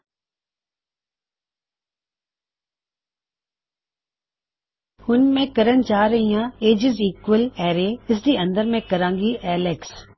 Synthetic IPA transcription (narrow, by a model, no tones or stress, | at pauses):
hʊnmẽkəɾənt͡ʃaːɾɐɦijãeːd͡ʒɪziːkwəlɛːɾeɪs̬d̪iːɐ̃nd̪əɾmẽkɐɾãːŋɡiʔɛːleks